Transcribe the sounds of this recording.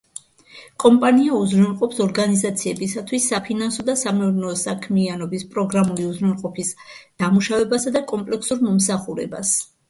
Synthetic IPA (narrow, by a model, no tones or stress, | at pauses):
kʼɔmpʼaniauzɾulˠqʼɔpsɔɾɡanizat̪sʰiɛbisat̪ʰwisːapʰinansɔd̪asamɛuɾnɛsakʰmianɔbispʼɾɔɡɾamuliuzɾɛlˠqʼɔpʰisd̪̥amuʃavɛbasad̪akʼɔmpʼlɛksuɾmɔmsaχuɾɛ̰ba̰s